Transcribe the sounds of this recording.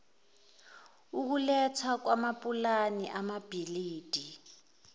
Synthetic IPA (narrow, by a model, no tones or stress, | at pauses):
uk̬ulɛt͡sʰwak̬wamapʼulaniʔamab̥ʱiliːd̥ʱi